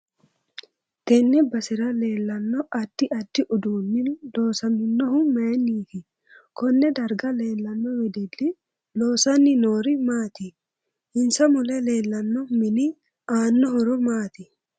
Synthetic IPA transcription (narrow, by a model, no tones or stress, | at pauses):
t̪ɛnːɪbɐsɪɾɐle̞ːlːɐnːɔʔɐd̪̥ːɪɐd̪̥ːɪʔʊd̪uːnːɪnloːsɐnɪnːɔɦʊmɛːnːiːfɪ | kɔnːɛd̪ɐɾɡɐle̞ːlːɐnːɔwɛd̪ɪlːɪ | loːsɐnːɪnoːɾɪmaːt̪ɪ | hɪnsɐmʊlɛleːlːɐnːɔmɪnɪ | aːnːɔɦɔɾʊmaːt̪ɪ